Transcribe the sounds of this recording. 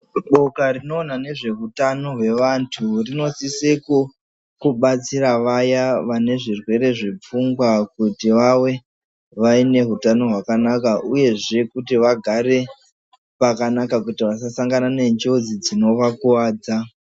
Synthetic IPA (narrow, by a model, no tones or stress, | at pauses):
ɓo̞karino̞ːnane̞ʐe̞ɦutano̞ɦwe̞ʋantʰurino̞siseko | kuɓat͡siɾaʋajaʋane̞ʐirwe̞ɾe̞ʐep͡fuŋɡwakutiʋawe̞ | ʋaine̞ɦutano̞ɦwakanakaʔuje̞ʐe̞kutiʋaɡʱaɾe̞ | pakanakakutiʋas̬asaŋɡanane̞ɲd͡ʒo̞d͡zid͡zino̞ʋakuwaːd͡za